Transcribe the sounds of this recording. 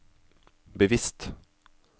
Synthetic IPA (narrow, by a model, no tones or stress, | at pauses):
bəʋɪst̪